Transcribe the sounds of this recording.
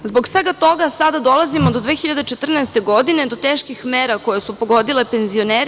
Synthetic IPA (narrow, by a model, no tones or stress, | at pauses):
zbo̞ɡsʋe̞ɡat̪o̞ɡasad̪ad̪o̞lˠazimod̪o̞d̪ʋeːxiʎad̪et͡ʃet̪r̩nɛst̪e̞ɡo̞d̪ine̞d̪o̞t̪eːʃkixmeːɾako̞je̞supo̞ɡo̞d̪ile̞pe̞nzio̞neɾ